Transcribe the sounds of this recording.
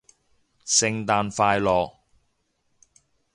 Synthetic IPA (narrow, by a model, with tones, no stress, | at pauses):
sɪ˧ŋt̪aː˧nfaː˧jlɔː˨k̚